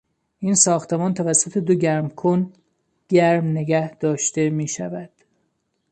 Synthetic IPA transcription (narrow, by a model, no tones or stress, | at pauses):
ʔiːnsɒːxt̪ʰe̞mɒːnt̪ʰævæsːot̪ʰe̞d̪oɟæɾmkʰon | ɡ̥æɾmneɡæhd̪̥ɒːʃt̪e̞miːʃæ̰væd̪̥